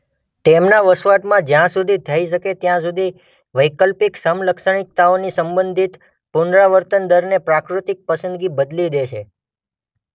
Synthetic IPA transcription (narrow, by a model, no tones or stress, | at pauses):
t̪emnaʋəsʋaʈmãd͡ʒjãsud̪ʱit̪ʰəiʃəket̪jãs̬ud̪ʱi | ʋəjkəlpiksəmləkʃəɳ̃ik̚t̪aonisəmbənd̪ʱit̪ | puɳɖɾaʋəɾt̪ənd̪əɾnepɾakɾut̪ɪk̚pəsənd̪ɡibəd̪lid̪et͡ʃʰe